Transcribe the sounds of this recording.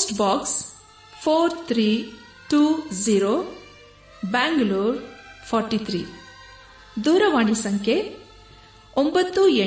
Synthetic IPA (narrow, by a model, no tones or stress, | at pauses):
sʈbaːks | pʰoːɾt̪ʰɾiː | ʈuːziːɾo | baːŋɡluːɾpʰɔːɾʈit̪ʰɾḭː | d̪uːɾɐʋaːɳisɐŋkʰe | ombɐt̪ːue